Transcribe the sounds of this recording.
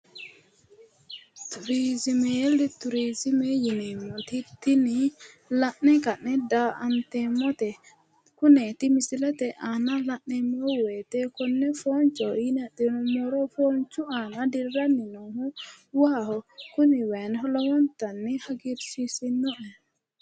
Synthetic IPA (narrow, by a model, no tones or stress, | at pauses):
tuɾizimɛjeldit̪uɾizimɛjinɛmot̪it̪ini | laʔnːɛkanːɛdaa̰nt̪ɛmɔt̪ɛ | kunɛt̪imisilat̪ɛʔanalaʔːɛmɔwɛt̪ɛkɔnːɛfont͡ʃɔjinɛdinmɔɾɔfont͡ʃuanadiɾanːinɔhu | wahɔkuniwɛnɦɔlɔwɔnt̪anːihaɡiɾsisinːɔʔɛ